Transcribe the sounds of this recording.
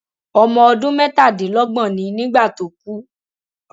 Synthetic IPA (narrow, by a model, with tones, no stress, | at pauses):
ɔ˧mɔ̃˧ɔ˧dũ˦mɛ̃˦ta˦˨de˨˦lɔ˦ɡ͡bɔ̃˦˨nĩ˨˦nĩ˦ɡ͡ba˦˨to˨k̚u˦